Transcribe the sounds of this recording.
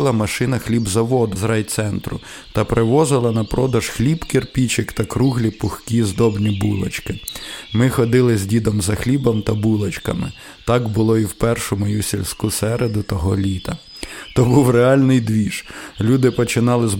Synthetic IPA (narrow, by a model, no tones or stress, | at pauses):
lˠɐmɐʃɪnɐxlʲibzɐʋɔd̪ʊzɾɑjt̪sɛnt̪ɾʊ | t̪ɐpɾʔɪʋɔzɪlˠɐnɐpɾɔd̪ɐʒ̥xlʲibkerpʲit͡ʃɪkt̪ɐkɾuɦlʲipʊxkʲizd̪ɔbnʲibulˠɐ̰t͡ʃkɪmɪxɔd̪ɪlˠɪzʲdʲid̪ɔmzɐxlʲibɐmt̪ɐbulˠɐt͡ʃkɐ̰mɪ̰ | t̪ɑkbʊlˠɔiwpɛrʃɔmɔjusʲilʲsʲkusɛɾed̪ʊt̪ɐɦɔlʲit̪ɐ | t̪ɔbuwreɑlʲnɪjd̪ʋʲiʃlʲud̪ɪpɔt͡ʃɪnɑlˠɪz